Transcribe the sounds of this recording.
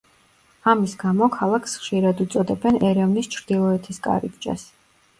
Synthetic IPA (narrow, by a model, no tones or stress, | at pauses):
amisɡamɔkʰalˠakʰsχʃiɾad̪ut̪sʼɔd̪ɛbɛnɛɾɛvnist͡ʃʰɾd̪̥ilˠɔɛt̪ʰɛskʼa̰ɾibd͡ʒa̰s